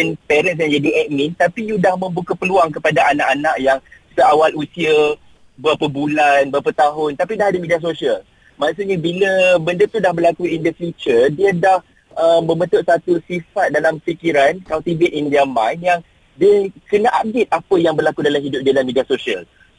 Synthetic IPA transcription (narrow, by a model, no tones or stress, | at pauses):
ənpɛɾəns̬jãŋd͡ʒadiʔɛʔ̚mĩnt̪apijudahmə̃mbukapəluaŋkəpadaʔanaʔanaʔjaŋsəawalusiə | bəapəbulanbəapat̪aɦʊnt̪apidahadəmidias̬osiəl | maksuʔɲabiləbəndət̪udahbərlakuindəfjut͡ʃərdiədah | əmːə̃mət̪ʊʔ̚sat̪usifat̪̚dalamfikiɾankalt̪ibɛt̪indiamãjnjaŋ | diəkənaʔap̚det̪̚apəjaŋbərlakudalamhidʊp̚dialamːidiasosiəl